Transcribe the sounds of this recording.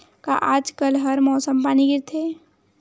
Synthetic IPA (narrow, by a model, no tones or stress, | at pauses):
ka̰ʔaːd͡ʒkəlɦɐɾmɔːsəmpaːniɡɪɾt̪ʰeː